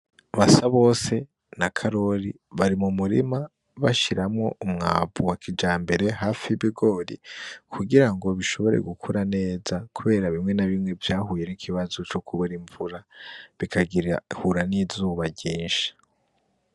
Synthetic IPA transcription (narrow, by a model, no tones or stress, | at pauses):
βasaβo̞ːse̞ | nakʰaɾo̞ɾi | βaɾimumuɾḭma | βaʃiɾamŋo̞ʔumŋaːbuwakʰid͡ʒaːmbe̞ɾe̞ɦaːfiβiɡo̞ːɾḭkʰuɡiɾaŋɡo̞βiʃo̞βo̞ɾe̞̰ɡukʰuɾane̞ːzakʰuβe̞ːɾaβimŋe̞naβimŋe̞vjaːɦuːje̞nikʰiβazot͡ʃokʰuβuɾiɱvuɾaβikʰaɡiɾahuɾanizuːβaɟiːnʃi̥